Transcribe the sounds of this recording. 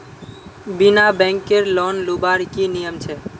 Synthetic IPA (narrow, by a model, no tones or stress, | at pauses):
binabɛ̃ŋkːeɾlɔnlubaɾkinijəmt͡ʃʰɛ